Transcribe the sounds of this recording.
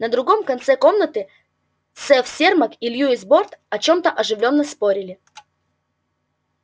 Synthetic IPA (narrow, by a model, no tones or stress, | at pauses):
nəd̪ɾʊɡo̞mkɐnt̪sɛko̞mnət̪ɨ | t̪sɛfsʲerməkilʲjuɪsbo̞rt̪ɐt͡ɕo̞mt̪əʔɐʐɨvlʲo̞nːəspo̞ɾʲɪlʲɪ